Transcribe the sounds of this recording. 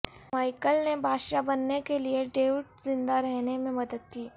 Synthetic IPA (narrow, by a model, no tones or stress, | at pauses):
maːɪkəlnebʱaːʃabɐnːekelieɖeːʋɪʈzɪ̃nd̪aɾɛɦnemẽmɐd̪əd̪̚kiː